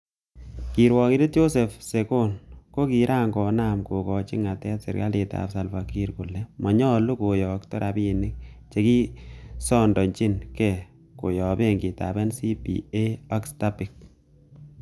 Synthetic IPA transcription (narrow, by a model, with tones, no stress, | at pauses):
ki˨ɾwɔ˨ki˦ɾi˦t̚jo˦sɛ˨fse˨ko˦nko˦ki˨ɾʔa˦ŋkɔ˨na˦˨mko˨kɔ˨t͡ʃi˦ŋa˨tɛ˦tsḛ˨ɾka̰˦le˨ta̰˨psa˨lfa˨ki˦ɾku˨lɛ˦mɔ˨ɲɔ˦lu˦ko˨jɔ˨k̚tɔ˦ɾʔa˨bi˨nɪ˦k̚t͡ʃe˨ki˦sɔ˦ndɔ˨ɲt͡ʃi˦nkɛ˨ | ko˨jɔ˨be˦ŋɡi˨ta̰˨bɛ˦nsi˦pḭ˨e˦ɔ˦ksta˦pi˨k̚